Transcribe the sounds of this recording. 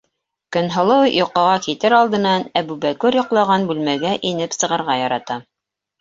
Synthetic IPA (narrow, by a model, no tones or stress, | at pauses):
kɵ̆nɦɤ̆lˠɤwjŏqɑʁɑkit̪ɘɾɑlˠd̪ɤ̆nɑnæbʉbækuɾjŏqlˠɑʁɑnbʉlmæɡæʔinɘpsɤ̆ʁɤ̆ɾʁɑjɑɾɑt̪ɑ